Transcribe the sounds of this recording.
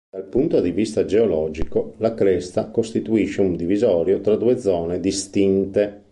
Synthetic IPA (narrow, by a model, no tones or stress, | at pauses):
d̪̥alpunt̪od̪ivist̪ad͡ʒeolɔːd͡ʒikolakɾɛst̪akost̪it̪uiʃːeund̪ivizɔːɾjot̪ɾad̪uːed̪zɔːned̪ist̪int̪e